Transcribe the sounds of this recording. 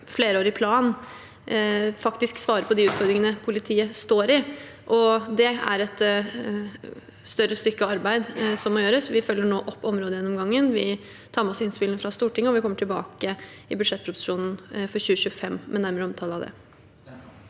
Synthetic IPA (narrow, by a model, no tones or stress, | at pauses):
fleːɾəoːɾɪpʰlɑːn | fɑkt̪ɪsksʋɑːɾəpʰɔd̪ɪʉːt̪fɔɾd̪ɾɪŋənəpʰʊlɪt̪ʰiːəst̪oːɾɪʔɔd̪ɛæ̰ɾɛt̪ | st̪œɾːəst̪ʏkːəɑɾbæɪd̪sɔmːɔjøːɾəsʋɪfœlːəɳoːʔɔpːɔmɾoːd̪əjɛnːɔmɡɑŋːənʋɪ | t̪ʰɑːɾmɛɔsɪnspɪlnəfɾɑst̪uːʈʰɪŋːəɔʋɪkʰɔmːəʈʰɪlbɑ̰ːkəɪbʉd̪ʂɛt̪̚ːpʰɾʊd̪ʉ̥ʂuːnn̩fɔɾɕʉːəɕçʉːəfɛmːmɛnæɾməɾəɔmt̪ʰɑːləɑʋd̪ɛ̰